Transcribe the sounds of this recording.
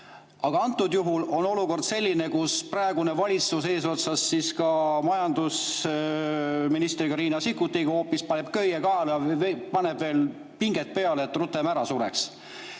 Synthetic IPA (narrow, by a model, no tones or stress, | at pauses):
ɑɡ̥ɑɑnt̪ːˑud̪juɦulo̞no̞luko̞rd̪̥se̞lʲːine̞kusprɑeɡ̥une̞vɑlʲit̪suse̞ːs̬o̞t̪sɑsːiskɑmɑjɑnd̪̥us | minist̪rikɑɾiːnɑsikːut̪ːiɡ̥ho̞ːpːispɑnep̚køjːekɑːlɑpɑne̞b̥ve̞ːl | piŋɡ̥et̪̚pe̞ɑleːt̪rut̪ːˑemæɾɑsuɾḛks